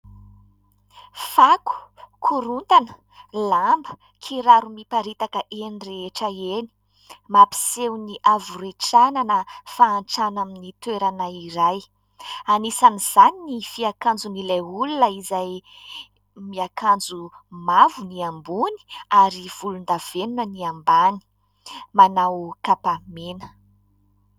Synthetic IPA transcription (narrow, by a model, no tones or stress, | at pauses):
faku̥kʰuɾunt̪anə̥ | lambə | kʰiɾaɾumipaɾit̪akəʔenireeʈ͡ʂəeni̥ | mapi̥sewniʔavuɾeʈ͡ʂananəfaːnʈ͡ʂanaminit̪weɾanaiɾaj | anisaniz̥aninifiakand͡zunilaulunəizaj | miakand͡zu | mavuniambuni̥aɾiv̥ulund̪av̥enunəniambani̥ | manawkapamenə̥